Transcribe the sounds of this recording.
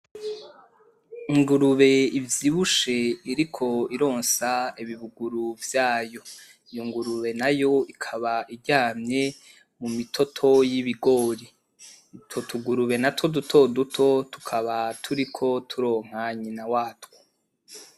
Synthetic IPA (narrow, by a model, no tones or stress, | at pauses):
iŋɡuɾuβe̞ivjiβuʃe̞iɾikʰo̞iɾo̞ːnsaiβiβuɡuɾuvjaːjo̞ | joŋɡuɾuβe̞najo̞ikʰaβaiɾɟaːmɲe̞ | mumitʰo̞tʰo̞jiβiɡo̞ɾi | totʰuɡuɾuβe̞natodutʰo̞dutʰo̞tu̥kʰaβatʰuɾikʰo̞tʰuɾo̞ːŋ̥haɲinawaːtwo